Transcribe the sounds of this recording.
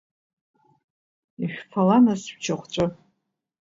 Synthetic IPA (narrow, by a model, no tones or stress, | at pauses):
iʃᶣʲfʰalanasʃt͡ʃʰaχʷt͡ʃʷʼɨ